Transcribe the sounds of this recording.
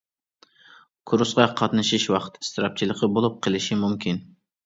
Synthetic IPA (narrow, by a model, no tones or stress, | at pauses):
kʰuɾusqɑqʰɑt̪nɨʃiʃwɑqt̪ʰi̥st̪ʰɨɾɑp̚t͡ʃʰilˠəqəbolˠup̚qʰəlˠɪʃimumkʲin